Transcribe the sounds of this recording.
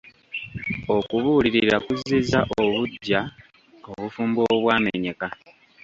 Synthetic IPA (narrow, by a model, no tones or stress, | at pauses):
o̞kuβuːliɾiɾakuzizaʔoβuɟːa | oβufuːmboβwaːmḛɲe̞ka